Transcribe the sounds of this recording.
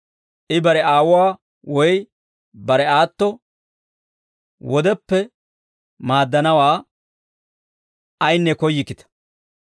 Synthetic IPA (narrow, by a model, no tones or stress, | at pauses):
ʔɪbɐɾɛaːwʊwaː | wɔj | bɐɾɛaːt̪ːɔ | wɔd̪ɛpːɛ | maːd̪ːɐnɐwaː | ɐjnːɛkɔjːɪkːɪt̪ɐ̥